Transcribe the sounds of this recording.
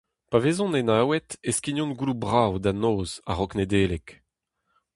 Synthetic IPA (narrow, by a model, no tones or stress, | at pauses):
paveːzɔ̃nenaːwɛt̪eskiɲɔ̃nɡulubʁawd̪anoːza̰ʁɔkned̪eːlek